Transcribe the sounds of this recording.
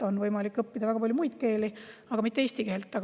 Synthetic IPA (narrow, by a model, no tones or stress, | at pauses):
o̞nvɤjmɑlikːˑɤpːid̪ɑvæɡ̥ɑpɑlʲjumujd̪ke̞ːliɑɡɑmit̪ːeeːst̪ikeelt̪ːˑɑ